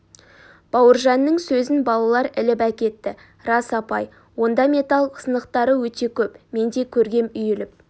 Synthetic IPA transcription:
b̥ɑwəɾʒɑnːəɴsɵzɪnbɑlˠɑlˠɑɾɪlɪpækʲe̞t̪ːɪ | rɑsɑpɑj | wo̞nd̪ɑme̞t̪ɑlˠqʰə̥sənəqt̪ɑɾəwɵt̪e̞kʲʰɵpme̞nd̪e̞kʲʰɵɾɡʲe̞mʏjɪlɪp̚

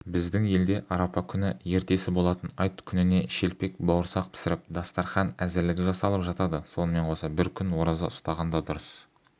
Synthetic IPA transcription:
bɪzd̪ɪŋje̞ld̪e̞ʔɑɾɑpɑkʲʰʏnɪje̞ɾt̪e̞sɪbo̞lˠɑt̪ənɑjt̪kʲʰʏnɪne̞ʃe̞lpe̞kbɑwəɾsɑq̚pʰɪ̥sɪɾɪp̚d̪ɑst̪ɑɾχɑnæzɪɾlɪɡʲɪʒɑsɑlˠəpʒɑt̪ɑd̪əso̞nəme̞ɴqʰo̞sɑbɪɾkʲʰʏnwo̞ɾɑzə̰ʊst̪ɑʁɑnd̪ɑd̪ʊɾəs

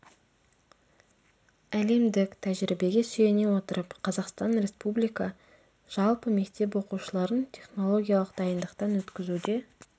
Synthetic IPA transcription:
æle̞md̪ɪkt̪ʰæʒɾibe̞ɡʲe̞sʏje̞ne̞wo̞t̪əɾəpqʰɑzɑqst̪ɑnɾe̞spublijkɑ | ʒ̥ɑlˠpəme̞kt̪e̞p̬wo̞quʃəlˠɑɾənt̪ʲʰe̞χno̞lˠo̞ɡʲijalˠəqd̪̥ɑjənd̪əqt̪ɑnwɵt̪kʲɪzud̪e̞

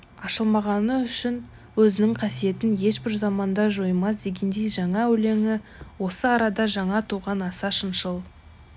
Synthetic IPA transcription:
ɑʃəlˠmɑʁɑnəʏʃɪn | wɵzɪnɪŋqʰɑsije̞t̪ɪnje̞ʃbɪɾzɑmɑnd̪ɑʒo̞jmɑs̬d̪e̞ɡʲe̞nd̪e̞jʒɑɴɑɵle̞ŋɪ | wo̞səɑɾɑd̪ɑʒɑɴɑt̪ʰuʁɑnɑsɑʃənʃəlˠ

